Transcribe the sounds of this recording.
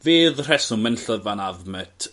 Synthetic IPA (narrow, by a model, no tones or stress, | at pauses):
veːðr̥ɛsʊmɛnɬəvanaðmɛtʰ